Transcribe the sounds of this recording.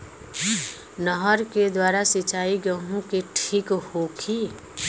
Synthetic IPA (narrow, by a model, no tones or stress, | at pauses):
nəɦəɾked̪waːɾasɪt͡ʃaːiɡəɦũkeʈʰiːkhokʰi